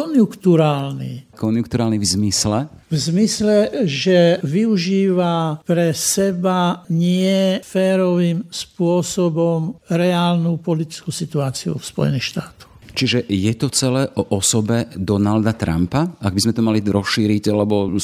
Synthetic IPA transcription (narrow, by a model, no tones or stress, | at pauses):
kɔnjukt̪uɾaːlnḭkɔnjukt̪uɾaːlnivzmislɛvzmislɛʒɛʋiuʒiːʋapɾɛsɛbaɲɪɛfɛːɾɔʋimspʊɔsɔbɔmɾɛaːlnupɔlit̪i̥t͡skusit̪uaːt͡siṵfspɔ̰jɛ̰niːxʃt̪aːt̪ɔ̥xt͡ʃiʒɛjɛt̪ɔt͡sɛlɛːʔɔʔɔsɔbɛd̪ɔnald̪at̪ɾa̰mpaaɡ̚bizmɛt̪ɔmaliɾɔsʃiːɾiɟalɛbɔ